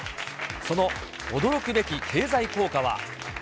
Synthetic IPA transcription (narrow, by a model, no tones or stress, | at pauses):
so̞no̞ | od̪o̞ɾo̞kɯ̟be̞kʲikʰe̞ːzaiko̞ːkaβa̰